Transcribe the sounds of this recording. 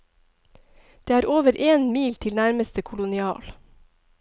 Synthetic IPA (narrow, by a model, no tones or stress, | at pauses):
d̪̥eːæːɾoːʋəɾʔeːnmiːlt̪ʰɪlnæɾməst̪əkʰʊlʊnɪɑ̰ːl